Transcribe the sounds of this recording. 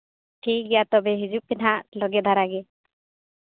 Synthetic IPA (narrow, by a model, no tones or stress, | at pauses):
ʈʰik̚ɡɛjat̪ɔbɛɦid͡ʒuʔ̚pinɦaʔlɔɡɛd̪ʱaɾaɡɛ